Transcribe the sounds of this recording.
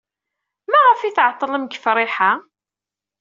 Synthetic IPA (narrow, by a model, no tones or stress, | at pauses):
mæʁəfiθʕət̪ˤːləmɡə̥fɾˤɪħa